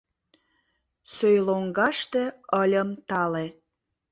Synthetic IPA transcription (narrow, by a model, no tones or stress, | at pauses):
søjloŋɡɑʃt̪ĕəlʲəmt̪ɑle